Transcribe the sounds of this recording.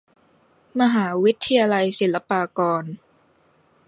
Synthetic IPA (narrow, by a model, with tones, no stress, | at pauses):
ma˧ɦaː˩˦wi˦˥t̪ʰːa˧jaː˧la˧jsi˩˦la˧paː˧kɔː˧n